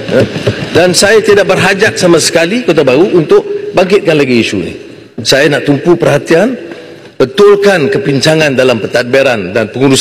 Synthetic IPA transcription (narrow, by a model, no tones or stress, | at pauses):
jadansajat̪idaʔ̚bərɦad͡ʒak̪̚samãsə̥kalikot̪abaɾuʔunt̪ʊʔ̚baŋkɪt̪̚kanlaɡiːsṵnḭ | sajanaʔt̪umpupərɦat̪ian | bət̪ʊlkankəpiɲt͡ʃaŋãndalampət̪at̪̚beɾandanpəŋuɾus